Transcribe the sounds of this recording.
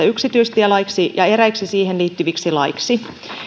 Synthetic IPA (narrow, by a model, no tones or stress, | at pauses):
æyksit̪yist̪iælɑiksijɑeɾæiksisiːhenliːt̪ːyʋiksilɑiksi